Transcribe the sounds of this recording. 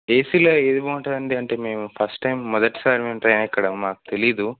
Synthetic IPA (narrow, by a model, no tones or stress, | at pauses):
eːsiːloːeːd̪iboːuɳʈaɐnd̪iɐɳʈeːme̞ːmupʰɐsʈːɐjmːɔd̪ɐʈːi̥saːɾimeːmʈɾɐjnːikːɐɽɐmaːku̥t̪e̞lijɐd̪u